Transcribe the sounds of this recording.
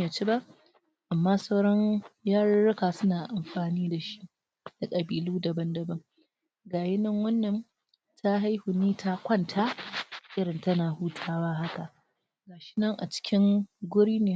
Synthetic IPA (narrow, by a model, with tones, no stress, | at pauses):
ja˨t͡ʃi˦ba˦ʔ | ʔa˨mːaː˦sɐ˦wɽɔ˦ɲjaː˦ɽɐ˦ɽɪ˦kaː˨sʊ˦naː˨ʔa˨mɸaː˨niː˦da˨ʃi̥˦ʔ | da˨kʼɐ˨biː˨luː˦dɐ˨bɐ˦ndɐ˨bɐ˦ŋ | ɡaː˨jɪ˦nɐ˦ŋwɐ˦nːɐ˨n | tʰa˦ɦa˦jhʊ˨niː˦tʰa˦kʷɐ˦˨ntʰaː˦ʔɪ˦ɾɪ˨ntɐ˦naː˨huː˦tʰaː˦waː˦ɦa˦ka˨ʔ | ɡaː˨ʃɪ̥˦nɐ˦ŋʔa̰˨t͡ʃɪ̥˦kʲɪ˦ŋɡʷʊ˦ɽiː˦neː˨